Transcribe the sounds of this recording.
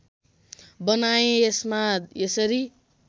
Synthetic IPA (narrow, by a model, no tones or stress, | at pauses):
bʌnajẽesmaesʌɾi